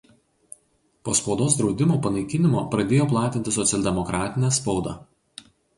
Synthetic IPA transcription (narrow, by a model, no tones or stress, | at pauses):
poːspɒʊd̪oːs̬d̪ɾɒʊd̪ʲɪmoːpɐnɐɪkʲɪnʲɪmoːpɾɐd̪ʲeːjoːplˠɑːt̪ʲɪnt̪ʲɪsɔt̪sʲɛlʲd̪ʲɛmɔkɾɑːt̪ʲɪnʲɛːspɒʊd̪ɑ̰